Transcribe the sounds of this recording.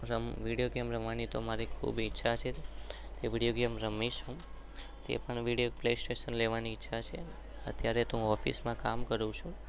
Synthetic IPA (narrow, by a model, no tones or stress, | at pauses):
ɾəmʋiɽijoɡemɾəmʋanit̪omaɾikʰṵbitːʃʰat͡ʃʰet̪eʋiɽijoɡemɾəmeʃɦũ | t̪ḛpəɳʋiɽijoplesʈeʃənleʋaniːtːʃʰat͡ʃʰe | ə̰t̪jaɾet̪ũɔfʰḭsmãkamkəɾũt͡ʃʰũ